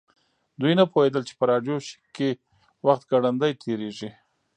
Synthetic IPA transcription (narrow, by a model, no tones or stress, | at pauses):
d̪ujnapohed̪əlt͡ʃe̥pəɾɑɖjoʃɪ̥kːe | waxt̪̚ɡaɽand̪ajt̪ʰeɾeʒi